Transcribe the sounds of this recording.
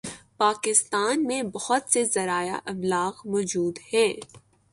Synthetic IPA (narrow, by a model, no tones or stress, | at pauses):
paːkɪst̪aːnmẽbɐhʊt̪sezɐɾaːja̰ʔɐblaːɣmɔːd͡ʒuːd̪hɛː